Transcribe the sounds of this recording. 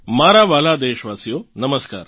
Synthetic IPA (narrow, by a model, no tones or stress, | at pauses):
maːɾaʋaːlad̪eːʃʋaːsijonɐməska̰ːɾ